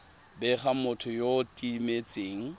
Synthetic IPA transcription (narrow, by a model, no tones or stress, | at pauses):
bɛχamʊtʰʊjotʼimet͡sʼeːŋ̩